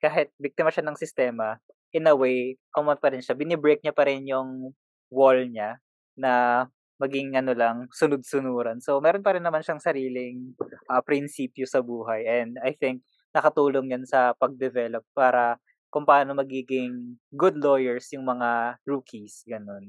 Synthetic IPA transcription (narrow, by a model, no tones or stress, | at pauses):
kaːɦɪt̪̚bik̚t̪ɪmɐʃanɐŋsɪst̪ɛːmɐ | ʔɪnɐwejʔɐmɐnpɐɾɪnʃabɪnɛbɹejk̚ɲapɐɾɪnjʊŋ | wolɲa | nɐ | mɐɡɪŋɐno̞lɐŋsʊnʊd̪̚sʊnuːɾɐnso̞mɛːɾo̞npɐɾɪnːɐmanʃɐŋsɐɾiːlɪŋʔɐpɾɪnsiːpjosɐbuːɦɐjʔɛnd̪ɐjθɪŋk̚ | nɐkɐt̪uːloŋɲansɐpɐɡ̚d̪ɛvɛlopːaːɾɐ | kʊmpɐʔaːno̞mɐɡiːɡɪŋɡʊd̪lo̞jɛɹsjʊŋmɐŋaɹuːkʰisɡɐno̞n